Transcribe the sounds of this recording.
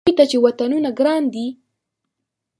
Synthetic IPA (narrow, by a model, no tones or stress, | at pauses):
jt̪at͡ʃewat̪anunaɡɾɑnd̪i